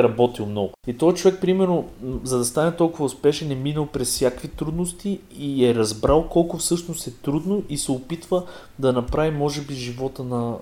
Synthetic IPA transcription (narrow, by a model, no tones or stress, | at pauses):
ɾɐbɔt̪ilˠmnɔɡʊit̪ɔjt͡ʃovɛk̚pɾimɛɾnozɐd̪ɐst̪anɛt̪ɔlˠkʊvəʊspɛʃɛnɛminəlˠpɾɛssʲjakvit̪ɾud̪nost̪iː | ɛɾɐzbɾalˠkɔlˠkʊfsɤʃnost̪ɛt̪ɾud̪noʔisɛopit̪və | d̪ɐnɐpɾavimɔʒɛbiʒivɔt̪ənɐ